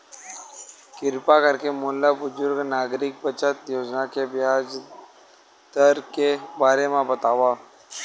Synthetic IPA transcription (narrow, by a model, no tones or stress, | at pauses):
kɪɾpakəɾkemʊːlːabʊzʊɾɡnaːɡɾɪk̚bət͡ʃət̪joːd͡ʒnakebɪɦaːd͡ʒ | d̪əɾkebaːɾemãbət̪aːʋaː